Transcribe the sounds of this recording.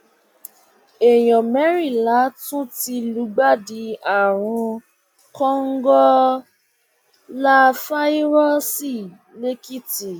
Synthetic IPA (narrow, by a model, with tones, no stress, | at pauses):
e˨jɔ̃˨mɛ˨˦ɾi˦˨la˨˦tũ˦ti˧lu˨˦ɡ͡ba˦˨di˧˦a˨ɾ̃ũ˧ | kɔ˦ŋ̩˦ɡɔ˦ | la˦fa˦i˦ɾɔ˦si˦˨ | le˦ki˦ti˨